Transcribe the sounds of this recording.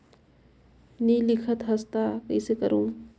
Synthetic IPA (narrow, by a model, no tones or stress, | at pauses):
nilɪkʰət̪ɦɐst̪akɐisekəɾũː